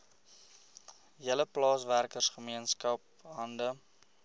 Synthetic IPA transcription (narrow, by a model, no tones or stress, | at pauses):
ɦiələplɑːsværkərsχəmiənskɐp̚ | ɦɐndə